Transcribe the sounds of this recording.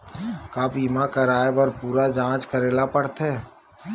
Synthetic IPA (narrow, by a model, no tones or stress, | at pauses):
kaːbiːmãkəɾaːebɐɾpuːɾad͡ʒãːt͡ʃkəɾeːlapəɽt̪ɦɛ̃ː